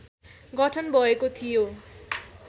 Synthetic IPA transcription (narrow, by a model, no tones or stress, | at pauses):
ɡʌʈʰʌnbʱʌekot̪ʰijo